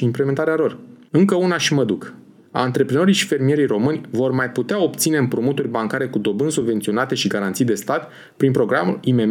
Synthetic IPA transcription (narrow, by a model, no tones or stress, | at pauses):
iimpleme̞nt̪aɾealo̞rɨŋkəunaʃiməd̪uk | a̰ɨnt̪ɾe̞pɾeno̞ɾijʃi̥fe̞rmije̞ɾijro̞mɨnʲvo̞rmajput̪eao̞pt̪sine̞ɨmpɾumut̪urʲbaŋkaɾe̞kud̪o̞bɨnsubvent̪sio̞nat̪e̞ʃiɡaɾant̪sijd̪e̞st̪at̪ | pɾinpɾo̞ɡɾa̰mṵlime̞